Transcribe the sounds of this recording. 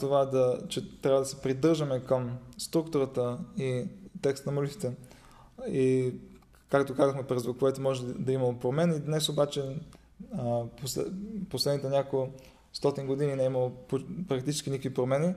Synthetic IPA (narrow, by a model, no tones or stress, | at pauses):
t̪ovad̪ɐt͡ʃɛt̪ɾʲabəd̪ɐsɛ̥pɾid̪ɤɾʒəmɛkəmst̪ɾukt̪ʊɾət̪əit̪ɛkst̪nɐmolit̪it̪ɛ | i | kakt̪okazəxmɛpɾɛzvokoɛt̪omɔʒɛd̪ɐimɐlˠopɾomɛnid̪nɛsobat͡ʃɛ | posposlɛd̪nit̪ɛnʲako | st̪ɔt̪inɡod̪ininɛimɐlˠopopɾɐkt̪it͡ʃɛskinikovipɾomɛni